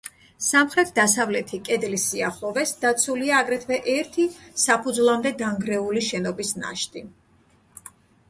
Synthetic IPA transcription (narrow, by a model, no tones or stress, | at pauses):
samχɾɛt̪ʰd̪asavlɛt̪ʰikʼɛd̪lisiaχlˠɔvɛsd̪̥at̪sʰuliaːɡɾɛt̪ʰvɛʔɛɾt̪ʰisapʰud̪zlˠamd̪ɛdaŋɡɾɛuliʃɛnɔbisna̰ʃt̪ʰʼi